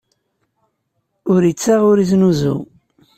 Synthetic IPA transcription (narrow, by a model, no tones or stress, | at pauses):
ʊɾjət͡sːaʁʊɾiznuzṵ